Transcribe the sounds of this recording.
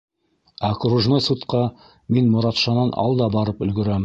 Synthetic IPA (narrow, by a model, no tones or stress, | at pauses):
ɑkruʒnojsut̪qɑ | minmŏɾɑt̪ʃɑnɑnɑ̰lˠd̪ɑbɑɾɤpɵ̆lɡɵ̆ɾæm